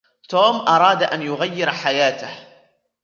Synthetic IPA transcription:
t̪oːmʔɑɾˤɑːd̪ʔanjʊɣajːɪɾħajaːt̪ah

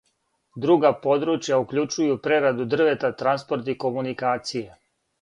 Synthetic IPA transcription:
d̪ɾuɡapo̞d̪ɾut͡ʃjaukʎut͡ʃujupɾeɾad̪ud̪r̩ʋe̞t̪at̪ɾanspo̞ɾt̪iko̞munikaːt̪sije

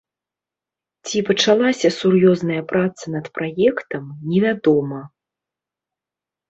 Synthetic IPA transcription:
t͡sʲipɐt͡ʂalˠasʲɐsurjɔznɐjɐpɾat̪sɐnɐt̪pɾajɛkt̪ɐmnʲɛvʲad̪ɔmɐ

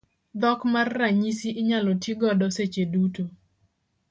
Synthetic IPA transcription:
d̪ɔkmarːaɲisiʔɪɲalɔtɪɡɔdɔset͡ʃeduto

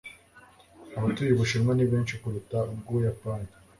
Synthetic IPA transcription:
aβatujiβuʃiɾmaniβiːnʃikuɾutabɡujapani

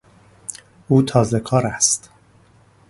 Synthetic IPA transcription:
uːt̪ʰɒːzekʰɒːɾæst̪

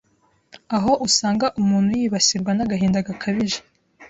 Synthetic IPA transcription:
aɦo̞ʔusaːŋɡaʔumuːn̥hujiːβasiɾɡwanaɡaɦiːndaɡakʰaβiʒe̥

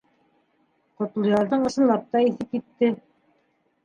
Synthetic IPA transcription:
qŏt̪̆lˠɤ̆jɑɾðɤɴɤ̆ʃɤ̆nlˠɑp̚t̪ɑiθɘp̚jit̪ːɘ

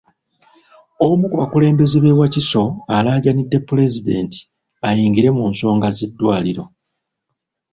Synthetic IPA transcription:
omukuβakule̞ːmbe̞zeβewaciso̞alaːɟanidːe̞pːule̞zide̞̰nti̥ | ajiːŋɡiɾe̞muːnso̞ːŋɡazedːwaːliɾo̞

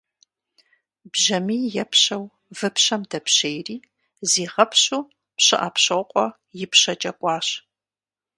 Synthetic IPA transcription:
bʒɐmiːjɛpɕɐw | vɨpɕɐmdɐpɕeːjriː | ziːʁɐpɕuː | pɕɨ̰ʔɐpɕɐwqʷʼɔ | jɪpɕɐt͡ʃʼɐkʷʼɑːɕ

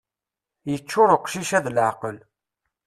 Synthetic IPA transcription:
jət͡ʃːʊɾˤəqʃiʃæðlʕqəl

